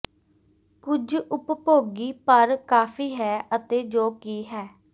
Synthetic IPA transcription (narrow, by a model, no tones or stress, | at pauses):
kʊd͡ʒʊppoːɡiːpəɾkaːfʰiːɦɛːʔət̪eːd͡ʒoːkiːɦɛː